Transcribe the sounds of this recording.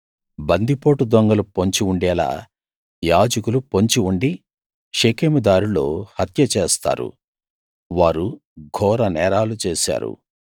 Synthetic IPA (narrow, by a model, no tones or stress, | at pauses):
bɐnd̪ipo̞ːʈud̪ɐŋɡɐlupoɲt͡ʃiuɳɖɛːla̰ː | jaːd͡ʒɐkulupoɲt͡ʃiuɳɖi | ʂekeːmud̪aːɾulo̞ːhɐt̪jɐt͡ʃeːst̪a̰ːɾṵ | ʋaːɾuɡʱɔːɾɐnɛːɾaːlut͡ʃeːsa̰ːɾṵ